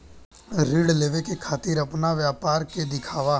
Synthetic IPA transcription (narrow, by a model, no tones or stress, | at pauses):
ɾiːɽleːʋekekʰaːt̪iːɾɐpnaʋjaːpaːɾked̪ɪkʰaːʋa